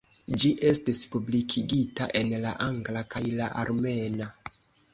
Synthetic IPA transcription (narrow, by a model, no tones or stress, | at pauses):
d͡ʒiʔe̞stispublikʰiɡitaʔe̞nlaʔaŋɡlakajlaʔaɾme̞na